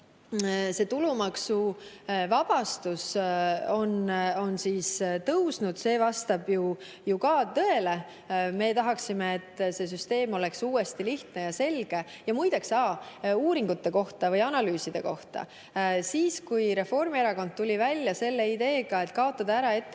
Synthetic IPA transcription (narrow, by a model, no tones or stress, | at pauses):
se̞ːt̪ulumɑksuvɑb̥ɑst̪us | o̞no̞nsiːst̪ɤwsnud̪̥se̞ːvɑst̪ɑb̥ju | jukɑːt̪ɤ̞e̞le̞ | me̞t̪ɑɦɑksime̞ːt̪ːˑse̞s̬yst̪e̞ːmo̞le̞ksuːe̞st̪iliht̪ne̞jɑse̞lɡ̥e̞jɑmujd̪eksɑːuːɾiŋɡ̥ut̪ːe̞ko̞ht̪ɑvɤjɑnɑlyːsid̪̥e̞ko̞ht̪ɑ̰ | siːskujɾe̞fo̞rmieɾɑko̞nd̪̚t̪ːulʲivælʲjɑse̞lːe̞id̪e̞ːɡ̥ɑe̞t̪ːˑkɑo̞t̪ːɑd̪̥ɑæɾɑe̞t̪ː